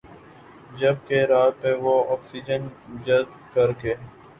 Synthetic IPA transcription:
d͡ʒəb̚keɾaːt̪̚peʋoɔːksid͡ʒənd͡ʒəzd | kəɾkeː

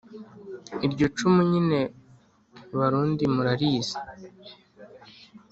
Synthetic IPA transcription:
iɾɟo̞t͡ʃumuɲine̞ | βaɾuːndimuɾaɾiːze̥

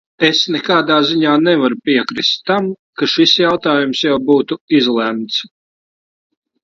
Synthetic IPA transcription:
esnɛkaːd̪aːziɲaːnɛvaɾupiɛkɾist̪ːam | kaʃisjawt̪aːjumsjawbuːt̪uizlˠɛmt̪s

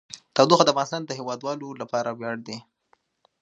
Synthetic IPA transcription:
t̪ɑwd̪uxad̪əafvɣɑnɪst̪ɑnd̪əɦewɑd̪wɑlolapɑɾawjɑɽd̪e

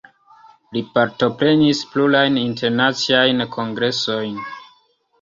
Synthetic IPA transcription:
lipaɾto̞pɾe̞nisplulajninte̞ɾnat͡siajnkʰo̞ŋɡɾe̞so̞jn

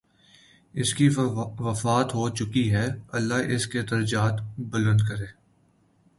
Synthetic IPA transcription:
ɪskiʋɐfaːt̪ɦoːt͡ʃʊkiɦɛɐlːaɦʔɪsked̪ɐɾəd͡ʒaːt̪bɐlə̃nd̪kɐɾẽː

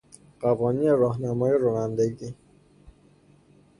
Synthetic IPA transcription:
ɢævɒːniːneɾɒːɦnæmɒːjeɾoːnænd̪eɡi

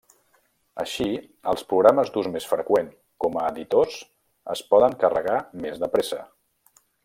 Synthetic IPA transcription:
ə̰ʃi | əlˠspɾuɣɾaməzd̪uzmesfɾəkweŋ | kɔməːðit̪oz | ə̰spɔðəŋkərəɣamezðəpɾesə

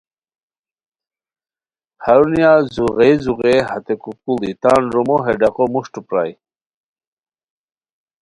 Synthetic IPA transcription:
haɾunjazuʁejzuɣehat̪ekukulit̪anɾumoɦeɖaqomuʂʈupɾa̰j

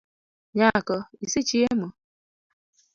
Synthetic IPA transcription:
ɲakɔisit͡ʃiemo

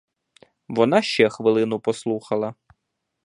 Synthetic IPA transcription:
ʋɔnɑʃt͡ʃɛxʋɪlˠɪnʊpɔslˠuxɐlˠɐ

